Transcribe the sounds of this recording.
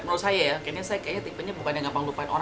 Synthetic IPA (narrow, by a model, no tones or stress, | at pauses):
t̚məɾusajajakanasajakajat̪impənɲabəbandaŋɡampaŋlupaano̰ɾ